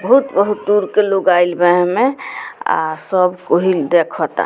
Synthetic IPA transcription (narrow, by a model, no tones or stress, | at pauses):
bəɦut̪bəɦut̪̚d̪uɾkeloɡailbəɦmea̰səbkoɦid̪ekʰɔt̪a̰